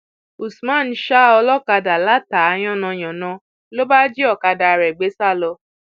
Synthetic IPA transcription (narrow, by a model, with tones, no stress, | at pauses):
u˨smã˦˨n̩˦ʃa˦ɔ˧lɔ˦ka˧da˨la˨˦ta˨a˧˦j̃ɔ̃˦˨nɔ̃˧j̃ɔ̃˨nɔ̃˧˦ | lo˦ba˦d͡ʒi˦ɔ˦˨ka˧da˨ɾɛ˨ɡ͡be˨˦sa˦˨lɔ˧